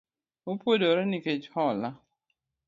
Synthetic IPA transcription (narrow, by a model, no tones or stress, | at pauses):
opwodoɾeniket͡ʃhɔla